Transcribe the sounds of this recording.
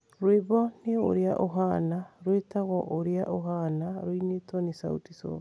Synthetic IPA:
ɾweβɔneo̰ɾeaʔoɦanaɾwetaɣɔʔoɾeaʔoɦanaɾoinetwɔnesa̰ṵtisɔ̰βa

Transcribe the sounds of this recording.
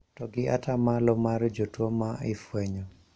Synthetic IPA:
tɔɡɪatʰamalɔmaɾd͡ʒotwomaɪfwɛɲɔ

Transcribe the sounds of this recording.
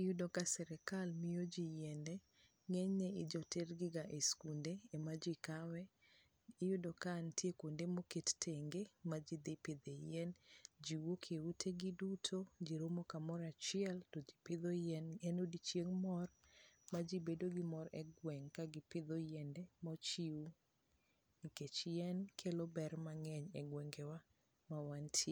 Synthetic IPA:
ɪjudɔkasɛɾɛkalmijod͡ʒijɛndɛ | ŋeɲːeɪd͡ʒɔterɡɪɡaʔeskundeːmad͡ʒikawɛ | ɪjudɔkantjekondemokettʰeŋɡemad͡ʒid̪ɪdped̪ejɛnd͡ʒiwokʰeutʰeɡidutʰod͡ʒiɾomokamɔɾat͡ʃɪɛltɔd͡ʒipɪd̪ojɛnenodit͡ʃeŋmɔrmad͡ʒibedoɡɪmɔɾɛɡwɛŋkaɡɪpɪd̪ojɛndɛmɔt͡ʃiu | iket͡ʃjɛnkʰelobɛrmaŋɛɲɛɡwɛŋɡɛwa | mawantʰe

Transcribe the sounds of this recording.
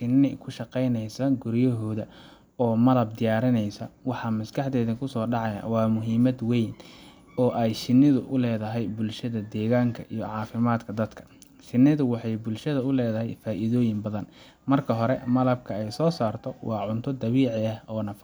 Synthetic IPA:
ʃɪnːɪkʰʊʃɑqɛjnɛjsɐɡʊɾjɐɦɔːðɐ | ɔːmɐlɐb̚d̪ɪjaːɾɪnɛjsɐwɑħɑmɐskʰɑħd̪ɛːðɐkʰʊsɔːɖɑʕɑja̰wɑːmʊɦiːmɐd̪wɛjn | ɔːʔɛjʃɪnːɪðʊʔʊlɛːðɐɦɛjbʊlʃɐðɐd̪ɛːɣaːŋkʰɐʔijɔ̰ʕɑːfɪmaːd̪kʰɐd̪ɐd̪kʰɐ̥ | ʃɪnːɪðʊwɑħɑjbʊlʃɐðɐʊlɛːðɐɦɛ̰jfaːʔɪðɔːjɪmbɐðɐn | mɐrkʰɐɦɔɾɛ̰mɐlɐb̚kʰɐɛjsɔːsaːrt̪ʰɔwʔɑːʕʊnt̪ʰɔd̪ɐβiːʕɪɐhɔːnɐfɐ

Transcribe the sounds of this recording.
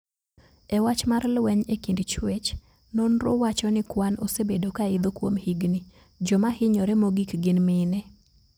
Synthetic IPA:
ɛwat͡ʃmarlwɛɲekindt͡ʃwet͡ʃ | nonɾo̰wat͡ʃɔnɪkwano̰sebedokaɪd̪okwomhiɡni | d͡ʒɔmahɪɲɔɾɛmoɡikɡɪnmɪnɛ

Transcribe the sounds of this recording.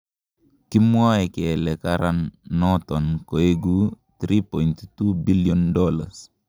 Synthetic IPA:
kimuaɛkɛlɛkaɾanːɔt̪ɔnkoeɡu | t̪ɾipɔjnt̪t̪ubilijɔndɔlas

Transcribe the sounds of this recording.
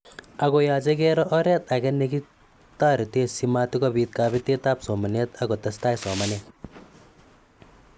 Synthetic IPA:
ɐɡɔjaːd͡ʒɐk̬eːɾɔʔɔɾɐt̪ɐɡɐnːeki | t̪aːɾit̪eːsimaːt̪ikɔbiːt̪̚kaːbit̪et̪aːpsɔːmɐnjɐt̪ɐɡɔt̪ɐst̪aːjsɔːmɐne

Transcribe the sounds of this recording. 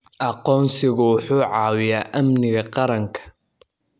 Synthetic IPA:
ʔɑqɔːnsɪɣʊwʊħuːʕɑːwɪjaːʔɐmnɪɣɐqɑɾɐŋkʰɐ̥

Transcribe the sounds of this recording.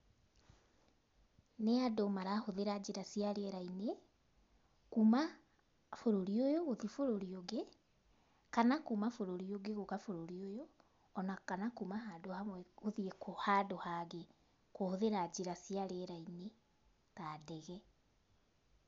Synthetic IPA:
neadomaɾahoðeɾad͡ʑeɾasiaɾeɛɾaine | kuma | foɾoɾiojoɣoðifoɾoɾioɡe | kanakumafoɾoɾioɡeɣoɣafoɾoɾiojoː | nakanakumaɦadohamwɛɣoðiekohadohaɣe | kohoðeɾad͡ʑeɾasiaɾeɛɾaine | tadɛɣɛ

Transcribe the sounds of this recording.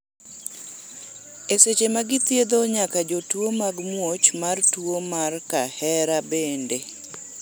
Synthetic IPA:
eset͡ʃemaɡɪt̪jed̪oɲakad͡ʒotwomaɡmwot͡ʃmartuomarkahɛɾabende

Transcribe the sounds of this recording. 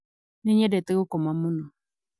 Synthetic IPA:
nẽɲɛdɛt̪eɣʊkɔmãmʊ̃nɔ̃

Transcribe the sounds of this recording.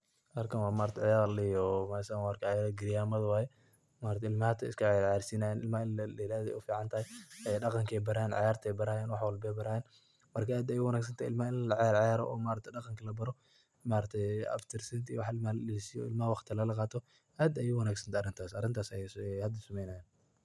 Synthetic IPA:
ɐrkʰɐnwaːmaːɾɐt̪ʰɛʕɑjaːɾlɪjɔmasanwɑrkʰʕɑjaːɾɐɡɪɾjaːmɐðɐwaːjɛ | maːɾɐt̪ʰɛɪlmaht̪ʰɐɪskʰɐʕjaɾʕjaːɾsiːnajaːnɪlmaːɪlllaːðɛ̰ʊfiːʕɑnt̪ʰɐhɛjjɛɖɑqɑŋkʰɛjbɐɾaːnʕɑ̰jaːɾt̪ʰɛbɐɾaːjaːnwɑħwɔlbɛbɐɾaːjɛn | mɐrkʰɐaːd̪ɐjʊwɐnaːɡs̬ɐnt̪ʰaɪ̰lmaːɪnllɐʕjaːɾʕɑjaːɾɔ̰ʔɔːmaːɾɐt̪ʰɛdɑqɑŋkʰɐlɐbɐɾɔ | maːɾɐt̪ʰɛjɐ̰ft̪ʰɪrsɐnt̪ʰiwħɪlmalɪlsɪjɔ̰ɪlmawɑχt̪ʰɪlɐlɐqɑːt̪ʰɔ | ʔaːd̪ɐjʊwɐnaːɡsɐnt̪ʰaɐrɪnt̪ʰaːsɐɾɪnt̪ʰaːsɐjɛshɐd̪ɐsɐmɛjnaːjaːn

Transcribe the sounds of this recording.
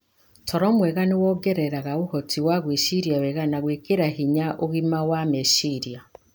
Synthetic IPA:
tʰɔɾɔmwɛɣanewɔɡɛɾɛɾaɣaohɔtʰiwaɣweʃiɾiawɛɣanaɣwekeɾahiɲaʔoɣimawameʃiɾia

